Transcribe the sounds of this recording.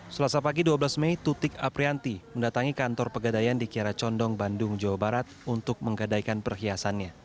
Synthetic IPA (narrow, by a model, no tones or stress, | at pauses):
səlasapaɡiduablasmejt̪ut̪ɪkapɾiant̪iməndat̪aŋikant̪ɔrpəɡadajandikiaɾat͡ʃɔndɔŋbandʊŋd͡ʒawabaɾat̪̚unt̪ʊk̚məŋɡadaikanpərɦiasanɲa